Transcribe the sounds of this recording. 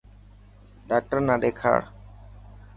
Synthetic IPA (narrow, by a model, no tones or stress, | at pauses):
ɖaːk̚ʈəɾnaɖeːkʰa̰ːɽ